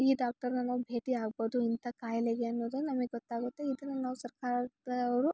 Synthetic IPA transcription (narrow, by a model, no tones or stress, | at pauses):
iːɖaːk̚ʈɐɾnɐnɐʋubʱe̞ːʈiaːɡboːd̪uint̪ʰɐkaːjɐleɡeɐnːoːd̪unɐmɐɡeɡɔt̪ːaːɡut̪ːeid̪ɐnːunaːʋusɐɾkaːɾd̪ɐʋɾu